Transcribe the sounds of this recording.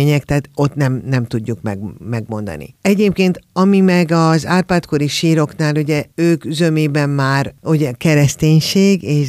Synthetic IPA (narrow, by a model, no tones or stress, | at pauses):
ɲɛkt̪aːt̪o̞t̪nɛmnɛmt̪uɟːukmɛ̰ɡmɛɡmo̞nd̪ɒ̰nḭɛɟeːp̚keːnt̪ɒmimɛɡɒzaːrpaːt̪ko̞ɾiʃiːɾo̞knaːluɟɛøːkzømeːbɛmmaːruɟɛkɛɾɛst̪eːɲʃeːɡeːʃ